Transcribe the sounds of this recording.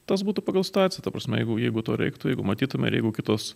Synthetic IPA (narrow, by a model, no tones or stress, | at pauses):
t̪ɐsbuːt̪ʊpɐɡɐlˠsʲɪ̥t̪ɑːt̪t͡ssʲɪjɛt̪ɐpɾɐsʲmʲɛjɛɪɡʊjɛɪɡʊt̪oːɾʲɛ̰ɪkt̪ʊjɛɪɡʊmɐt̪ʲiːt̪ʊmʲɛ̰ɪ̰ɾjɛɪɡʊkʲɪt̪oːs